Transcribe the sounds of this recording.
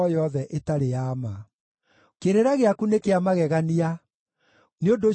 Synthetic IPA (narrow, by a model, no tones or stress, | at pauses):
ɔjɔðɛʔetaɾejaːma | keɾeɾaɣeakunekeamaɣɛɣania | neodo